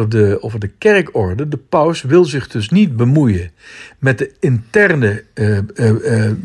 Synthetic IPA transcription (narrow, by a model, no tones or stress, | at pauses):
ədəovəɹdəkɛɹkɔɹdədəpœwsʋɪlˠzɪχdɵs̬nid̚bəmujənmɛt̚dəɪntɛrnə